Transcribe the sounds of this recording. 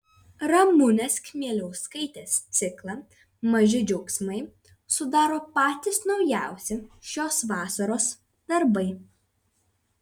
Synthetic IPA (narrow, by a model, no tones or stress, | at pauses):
ɾɐmʊnʲɛskʲmʲiɛlʲɛʊskɐɪt̪ʲeːst̪sʲɪklˠɐ | mɐʒʲɪd͡ʒʲɛʊksʲmɐɪ | sʊd̪ɑːɾoːpɑːt̪ʲɪsnɒʊjæˑʊsʲɛʃʲoːsʋɑːsɐɾoːs | d̪̥ɐɾbɐɪ